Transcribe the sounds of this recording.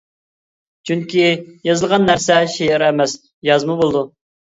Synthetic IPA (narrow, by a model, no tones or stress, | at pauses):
t͡ʃʰyŋkʲijɑzəlˠʁɑnːæɾsɛʃejɪɾɛmɛs | jɑzmubolˠɨd̪u